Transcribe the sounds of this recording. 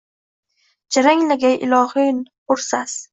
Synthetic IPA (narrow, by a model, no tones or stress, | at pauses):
d͡ʒaɾaŋlaɡʲajʔɪ̰lɒhɨn | ʊɾsas